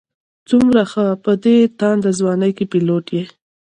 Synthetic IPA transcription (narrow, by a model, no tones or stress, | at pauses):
t͡sumɾaxəpəd̪et̪ɑnd̪əzwɑnəjkepiloʈje